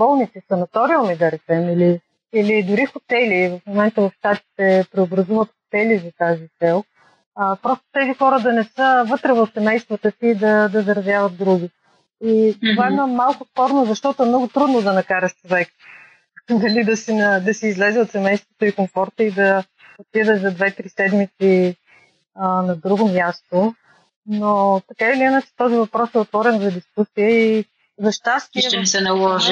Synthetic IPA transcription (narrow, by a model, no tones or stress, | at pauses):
bɔlˠnit̪sisɐnɐt̪ɔɾiəlˠmid̪ɐɾɛt͡ʃɛmili | ilid̪ʊɾixot̪ɛlivɐfmomɛnt̪əvɐfst̪at̪i̥t̪ɛpɾɛobɾɐzuvət̪xo̥t̪ɛlizɐt̪azit̪sɛlˠ | əpɾɔst̪o̥t̪ɛzixɔɾəd̪ɐnɛsəvɤt̪ɾɛvəfsɛmɛjst̪vət̪əsiːd̪ɐd̪ɐzɐɾɐzjavət̪̚d̪ɾuɡ̟ʲi | it̪ovaɛdnamalˠkʊspɔɾnozɐʃt̪ɔt̪oɛmnɔɡʊt̪ɾud̪nod̪ɐnɐkaɾɐʃt͡ʃovɛk | d̪ɐlid̪ɐsinɐd̪ɐsiːzlɛzɛot̪sɛmɛjst̪vot̪oikomfɔɾt̪əid̪ɐ | pid̪əʒzɐd̪vɛt̪ɾisɛd̪mit̪si | ənɐd̪ɾuɡomjast̪o | not̪ɐkailiinat͡ʃɛ̥t̪ɔzivɐpɾɔsɛot̪vɔɾɛnzɐd̪iskusiəi | zɐʃt̪ast̪iʃt̪ɛmisɛnɐlˠɔʒi